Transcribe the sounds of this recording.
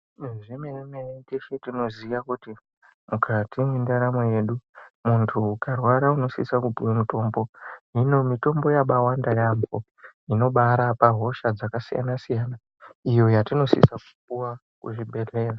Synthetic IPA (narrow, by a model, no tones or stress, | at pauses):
ʐemeremenetiʃitino̞ziʋakuti | mukʰatimwendaɾamoje̞ɗumuntʰukarwaɾauno̞sḭsakupuwemuto̞ːmbo̞ɦino̞mito̞mbo̞jaɓawandajambo | ino̞ɓaɾapaɦo̞ʃad͡zakasḭja̰nasijaːna | ijo̞jatino̞sḭsaku̥p̚uwa | kṵʐibʱe̞re̞ːra